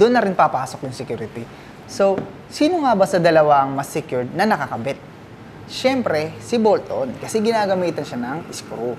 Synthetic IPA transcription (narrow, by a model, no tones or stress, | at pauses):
d̪ʊʔnːɐɾɪnpɐpaːso̞kjʊŋsɛkjuːɾɪt̪i | so̞w | siːnoŋabɐsɐd̪ɐlɐwaɐŋmɐsːɪkjuɹd̪̚nɐnɐkɐkɐbɛt̪̚ | ʃɛmpɾɛsɪbolt̪onkɐsɛɡɪnaːɡɐmiːt̪ɐnʃanɐŋɪskɾu